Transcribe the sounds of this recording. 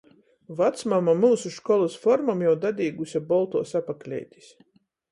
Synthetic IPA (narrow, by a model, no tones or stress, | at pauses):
vat̪smamamuːsuʃkɔlˠasfɔɾmamjawd̪ad̪ʲiːɡusʲabɔlˠt̪uːsapaklʲɛ̰jt̪ʲi̥s